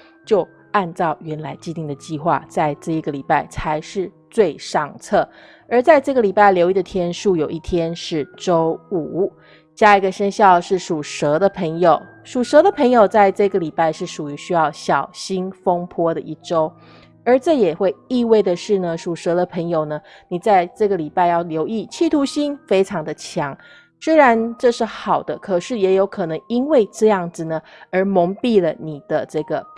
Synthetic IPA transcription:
t͡ɕjo˥˧ʊ | a˥˧nt͡sɑ˥˩ʊɥɛ˧˥nla˧˥ɪt͡ɕi˥˧t̪i˥˩ŋd̪ə˩t͡ɕi˥˧xwa̰˥˩t͡sa˥˧ɪʈ͡ʂɤ˥˩i˧˥ɡə˨˩li˨˩pa˥˩ɪt͡sʰa˧˥ɪʂɻ̩˥˧ | t͡swe˥˧ɪʂɑ˥˧ŋt͡sʰɤ˥˩ | ə˞˧˥t͡sa˥˧ɪʈ͡ʂɤ˥˩ɡə˩li˨˩pa˥ɪljo˧˥ʊi˥˩d̪ə˨t̪ʰjɛ˥nʂu˥˩jo˨˩ʊʔi˥˩t̪ʰjɛ˥nʂɻ̩˥˩ʈ͡ʂo˥ʊu˨˩˥ | t͡ɕja˥i˧˥ɡə˨ʂə˥nɕjɑ˥˩ʊʂɻ̩˥˩ʂu˨˩ʂɤ˧˥d̪ə˨pʰə˧˥ŋjo˨˩ʊ | ʂu˨˩ʂɤ˧˥d̪ə˨pʰə˧˥ŋjo˨˩ʊt͡sa˥˧ɪʈ͡ʂɤ˥˩i˧ɡə˩li˨˩pa˥˧ɪʂɻ̩˥˩ʂu˨˩y˧˥ɕy˥jɑ˥˩ʊɕjɑ˨˩ʊɕi˥nfo˥ŋpʰwɔ˥d̪ə˨ʔi˥˩ʈ͡ʂo˥ʊ | ə˞˧˥ʈ͡ʂɤ˥˩jɛ˨˩xwe˥˧ɪi˥˧we˥˩ɪd̪ə˩ʂɻ̩˥˩nə˩ʂu˨˩ʂɤ˧˥d̪ə˧˨pʰə˧˥ŋjo˨˩ʊnə˩ | ni˨˩t͡sa˥˧ɪʈ͡ʂɤ˥˩ɡə˩li˨˩pa˥˧ɪjɑ˥˩ʊljo˧˥ʊi˥˩t͡ɕʰi˥˩t̪ʰu˧˥ɕi˥nfe˥ɪʈ͡ʂʰɑ˧˥ŋd̪ə˧t͡ɕʰjɑ˧˥ŋ | swe˥ɪɻa˧˥nʈ͡ʂɤ˥˧ʂɻ̩˥˩xɑ˨˩ʊd̪ə˦kʰɤ˨˩ʂɻ̩˥˩jɛ˧˥jo˧˥ʊkʰɤ˨˩nɤ˧˥ŋi˥nwe˥˩ɪʈ͡ʂɤ˥˧jɑ˥˩ŋd͡zɹ̩˨˩nə˩ | ə˞˧˥mo˧˥ŋpi˥˩lə˩ni˨˩d̪̥ə˦ʈ͡ʂɤ˥˩ɡə˩

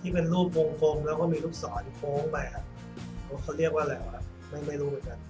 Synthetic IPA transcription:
t̪ʰiː˥˩pe˧nɾuː˥˩p̚wo˧ŋfʰoː˧ŋlɛː˦˥wkɔː˥˩miː˧luː˥˩p̚sɔː˩˦nfʰoː˦˥ŋma˧a˦˥ | ɔː˧˥˩kʰa˥˩wɾi˥˩ək̚waː˥˩lɛː˨˦wkʰa˦˧˥ | ma˥˩jma˥˩jɾuː˦˥mɯ˩˦nka˧n

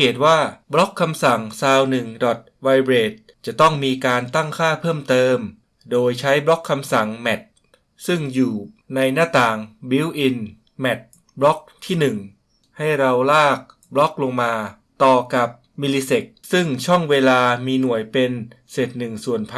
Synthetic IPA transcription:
eː˨˩t̪̚waː˥˩blɔ˦˥kʰːa˧msa˨˩ŋsaː˧wnɯ˨˩ŋdɔ˨˩t̪̚wa˧jbɾeː˨˩t̪̚ | t͡ɕa˨˩t̪ɔ˥˩ŋmiː˧kaː˧nt̪a˥˩ŋkʰaː˥˩pʰɤː˥˩mt̪ɤː˧m | doː˧jt͡ɕʰa˦˥jblɔ˦˥kʰːa˧msa˨˩ŋmɛ˨˩t̪̚ | sɯ˥˩ŋjuː˨˩na˧jnaː˥˩t̪aː˨˩ŋbi˧˦˥wʔi˧n | mɛ˨˩t̪̚ | blɔ˦˥k̚t̪ʰiː˥˩nɯ˨˩ŋ | ha˥˩jɾa˧wlaː˥˩k̚ | blɔ˦˥k̚lo˧ŋmaː˧ | t̪ɔː˨˩ka˨˩p̚ | mi˧liː˧se˨˩k̚sɯ˥˩ŋt͡ɕʰɔ˥˩ŋweː˧laː˧miː˧nu˨˩əjpe˧nse˨˩t̪̚nɯ˨˩ŋsu˨˩ənpʰ

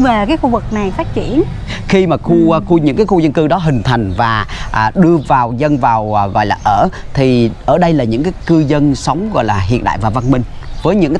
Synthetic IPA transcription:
ve˨˩kaː˨˦jxu˧vɨ˨˩k̚na˨˩jfaː˦˥t̚t͡ɕḭ˧˨ən | xi˧maː˨˩xu˧xu˧ɲɨ̰˧˥ŋkaː˨˦jxu˧zə˧nkɨ˧ɗɔ˨˦ɦï˨˩ŋ̟t̪ʰa˨˩jŋ̟vaː˨˩ʔːɗɨ˧əvaː˨˩wzə˧nvaː˨˩wɣɔ̰˧˨jlaː˨˩ʔəː˧˩t̪ʰi˨˩ʔəː˧˩ɗə˧jlaː˨˩ɲɨ̰˧˥ŋkaː˨˦jkɨ˧zə˧nsə˨˦wŋ͡mɣɔ̰˧˨jlaː˨˩ɦḭ˧˨ənɗa̰ː˧˨jvaː˨˩va˧nmï˧ŋ̟ | vəː˨˦jɲɨ̰˧˥ŋkː

